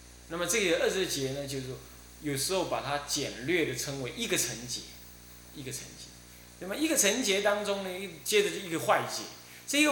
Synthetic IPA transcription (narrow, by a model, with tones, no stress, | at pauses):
na˥˩mə˨t͡sɤ˥˩ɡə˨˩˨ə˥˩ʂ̩˧t͡ɕjɛ˨˧˦nə˧t͡ɕjo˥˧ʊʂ̩˥˩ | jo˨˩ʊʂɻ̩˧˥xo˥˧ʊpa˨˩t̪ʰa˦t͡ɕjɛ˨˩nlɥɛ˥˩d̪ə˩t͡sʰə˧˥ŋwe˧˥ɪʔi˦˥ɡə˨t͡sʰə˧˦ŋt͡ɕjɛ̰˧˦ | i˧˥ɡə˨t͡sʰə̰˧˦ŋt͡ɕjɛ˧˦ | na˥˩mə˨i˧˥ɡə˨t͡sʰə˧˥ŋt͡ɕjɛ˧˥t̪ɑ˥ŋt͡sʊ˥ŋnə˨i˥t͡ɕjɛ˦˥d͡zə˨˩˧i˧˥ɡə˧xwa˥˨ɪt͡ɕjɛ˧˥˦ | t͡sə˥˧i˥ɡə˧